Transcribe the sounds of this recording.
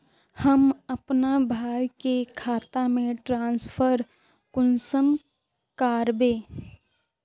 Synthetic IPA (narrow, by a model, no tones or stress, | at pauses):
həmɐpnabʱaːjkekʰaːt̪amẽʈɾãːnspʰəɾ | kʊnsəm | kaːɾbeː